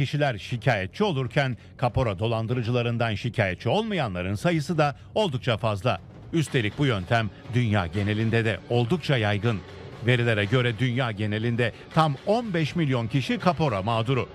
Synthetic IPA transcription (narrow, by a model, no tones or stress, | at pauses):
iʃilʲæɾʃicʰaːjɛt̪̚t͡ʃʰio̞lˠuɾcʰæn | kʰapo̞ɾad̪o̞lˠand̪ɯɾɯd͡ʒɯlˠaɾɯnd̪anʃicʰaːjɛt̪̚t͡ʃʰio̞lˠmajanlˠaɾɯnsajɯsɯd̪a | o̞lˠd̪uk̚t͡ʃʰafazlˠa | yst̪e̞lʲic̚bujø̞nt̪ʰæm | d̪ynja̰ːɟe̞ne̞lʲind̪ɛd̪ɛo̞lˠd̪uk̚t͡ʃʰajajɡɯn | ve̞ɾilʲe̞ɾɛɟø̞ɾɛd̪ynjaːɟe̞ne̞lʲind̪ɛ | t̪ʰamo̞nbɛʃmilʲjo̞ncʰiʃikʰapo̞ɾamaːd̪uɾʊ